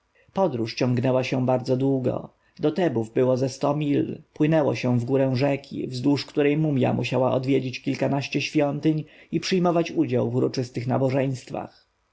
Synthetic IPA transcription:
pɔd̪ɾuʂt͡ɕɔ̃ŋɡnɛwaɕɛ̃baɾd̪zɔd̪wuɡɔ̰ | d̪ɔt̪ɛbuvbɘwɔzɛst̪ɔmʲilpwɘnɛwɔɕɛ̃vɡuɾɛ̃w̃ʐɛkʲḭvzd̪uʂkt̪uɾɛjmumʲja̰muɕawaʔɔd̪vʲjed͡ʑit͡ɕkʲilkanaɕt͡ɕɛɕfʲjɔnt̪ɘɲipʂɘjmɔvat͡ɕud͡ʑawvuɾɔt͡ʂɘst̪ɘxnabɔʐɛj̃st̪fa̰x

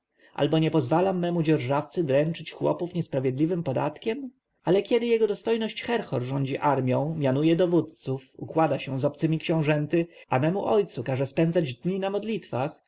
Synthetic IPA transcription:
ʔa̰lbɔɲɛpɔzvalamːɛmud͡ʑɛɾʐaft̪sɘd̪ɾɛnt͡ʂɘt͡ɕxwɔ̰pufɲɛspɾavʲjɛd̪lʲivɘmpɔd̪a̰t̪kʲɛm | alɛkʲjɛd̪ɘjɛɡɔd̪ɔst̪ɔjnɔɕt͡ɕxɛɾxɔɾʐɔɲd͡ʑiʔaɾmʲjɔ̃w̃mʲjanujɛd̪ɔvut̪t̪sufṵkwad̪aɕɛw̃zɔpt̪sɘmʲikɕɛ̃w̃ʐɛnt̪ɘamɛmuʔɔjt̪sukaʐɛspɛnd̪zad͡ʑd̪ɲinamɔd̪lʲit̪fax

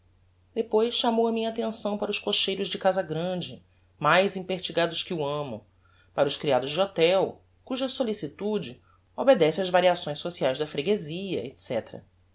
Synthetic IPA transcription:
d̪epojsʃamowɐmĩɲɐat̪ẽsɐ̃w̃paɾɐʊʃkoʃejɾʊzd͡ʒɪkazɐɡɾɐ̃d͡ʒɪ | majzĩpeɾt͡ʃiɡad̪ʊʃkɪuɐ̃mʊ̰ | paɾɐʊʃkɾiad̪ʊzd͡ʒɪot̪ɛw | kuʒɐsolisit̪ud͡ʒɪ | obed̪ɛsɪɐzvaɾiasõj̃sosiajzd̪ɐfɾeɡeziɐ̰et̪sɛt̪ɾɐ̰

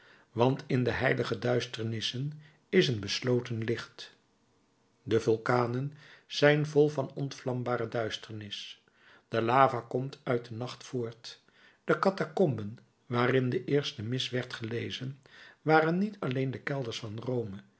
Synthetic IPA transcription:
ʋɑntɪndəɦɛjləχədœɥstəɹnɪsən | ɪsənbəslowtənlɪχt | dəvʊlˠkaːnənz̥ɛjnvɔlˠvɑnɔntflɑmbaːrədœɥstəɹnɪs | d̥əlaːvaːkɔmtʰœɥt̚dənɑχtfʊːɹt | d̥əkɑtakɔmbən | ʋaːrɪndəʔɪːɹstəmɪsʋɛɹtχəlejzənʋaːrənːitʰɑlejndəkɛlˠdəɹsfɑnrowmə

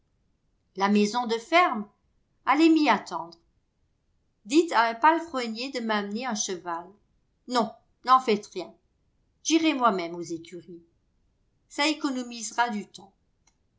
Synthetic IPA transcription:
lamɛzɔ̃d̪əfɛʁm | alɛmiat̪ɑ̃d̪ʁ | d̪it̪aɛ̃palfχɔnjed̪əmamneœ̃ʃəval | nɔ̃ | nɑ̃fɛt̪ʁjɛ̃ | ʒiʁɛmwamɛmozekʲʰyʁi | saekɔnɔmizʁad̪yt̪ɑ̃

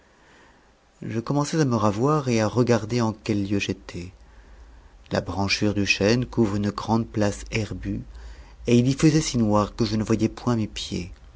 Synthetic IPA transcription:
ʒəkɔmɑ̃sɛzaməʁavwaʁeaʁəɡaʁd̪eɑ̃kɛlːjøʒet̪ʰɛ | la̰bʁɑ̃ʃyʁd̪yʃɛnkuvʁynəɡʁɑ̃d̪̚plasɛʁby | eilifəzɛsinwaʁkəʒənəvwajɛpwɛ̃mepjḛ

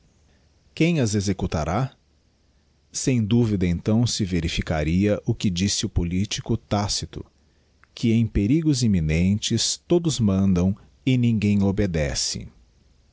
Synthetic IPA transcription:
kẽj̃ɐzezekut̪a̰ɾa | sẽj̃d̪uvid̪ɐẽnt̪ɐ̃w̃sɪveɾifikaɾiɐʔʊkɪd͡ʒisɪʊpolit͡ʃikʊt̪asit̪ʊ̰ | kʰɪẽj̃peɾiɡʊzimĩnẽnt͡ʃɪst̪od̪ʊzmɐ̃nd̪ɐ̃w̃ | ɪnĩɡẽj̃obed̪ɛsɪ̰

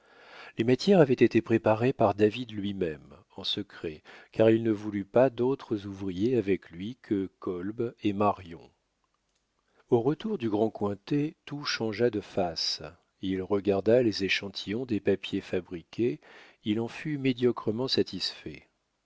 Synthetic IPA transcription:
lemat̪jɛʁavɛt̪et̪epχepaʁepaʁd̪avid̪lɥimɛm | ɑ̃səkχɛkaʁilnəvulypad̪ot̪χəzuvʁijeavɛklɥikʰəkɔlbemaʁjɔ̃ | oʁət̪uʁd̪yɡʁɑ̃kwɛ̃t̪et̪uʃɑ̃ʒad̪əfas | ilʁəɡaʁd̪alezeʃɑ̃t̪ʰijɔ̃d̪epapjefabʁikʲʰe | ilɑ̃fymed̪jɔkχəmɑ̃sat̪isfɛ

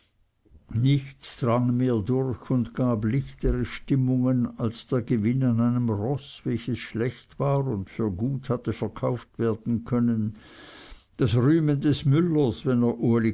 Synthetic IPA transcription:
nɪçtsd̥ʁaŋmeːɐdʊɾçʊndɡ̥aːblɪçtʰəʁəʃtɪmʊŋənalsd̥eːɐɡəvɪnanaɪnəmʁɔsvɛlçəsʃlɛçtv̥aːʁʊndfyːɐɡuːthatəfɛɐkʰaʊftv̥eːɐd̥n̩kʰœnən | d̥asʁyːməndɛsmʏləsvɛneːɐʔuɐli

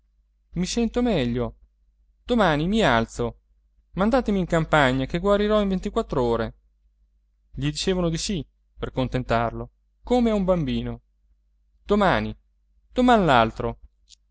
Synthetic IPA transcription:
misɛnt̪omɛʎːo | d̪̥omaːnimialt̪so | mand̪aːt̪emiːŋkampaɲːakeɡwaɾiɾɔiɱvent̪ikwat̪ːɾoːɾe | ʎid̪it͡ʃeːvanod̪isi | perkont̪ent̪arlo | komeaumbambiːno | d̪̥omaːni | d̪̥omanlalt̪ɾo

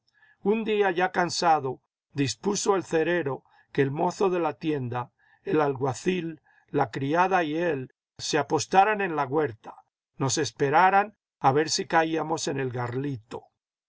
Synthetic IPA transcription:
und̪iaʝakansaðo̞ | ðispuso̞elθe̞ɾe̞ɾo̞ | keːlmo̞θo̞ðe̞lat̪je̞nd̪a | elalɣwaθilː | akɾiaðaiel | seapo̞st̪aɾane̞nlaɣwe̞ɾt̪ḁ | no̞se̞spe̞ɾaɾan | aβe̞ɾsikaiamo̞se̞ne̞lɣarlit̪o̞̥

